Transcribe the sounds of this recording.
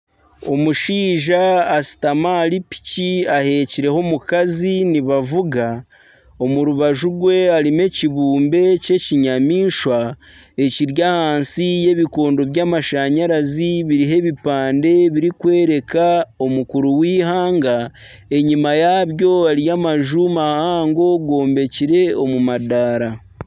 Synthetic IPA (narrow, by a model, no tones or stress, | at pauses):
o̞muʃiːʒaːsi̥tamaːɾipi̥ciahe̞ciɾe̞homukaziniβavuɡa | o̞muɾuβaʒuɡwe̞aɾime̞ciβuːmbe̞ce̞ciɲamiːʃwa | e̞ciɾjahaːnsije̞βiko̞ːndo̞βjaːmaʃaɲaɾaziβiɾiɦe̞βipaːnde̞βiɾikwe̞ːɾe̞kao̞mukuɾuwiːhaːŋɡa | e̞ɲimajaβjo̞aɾijaːmaʒumahaːŋɡo̞ɡo̞ːmbe̞ciɾe̞o̞mumadaːɾa